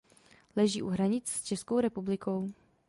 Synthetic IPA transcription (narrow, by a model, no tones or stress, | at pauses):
lɛʒḭːʔuɦɾaɲɪt͡sst͡ʃɛskowɾɛpublɪko̞w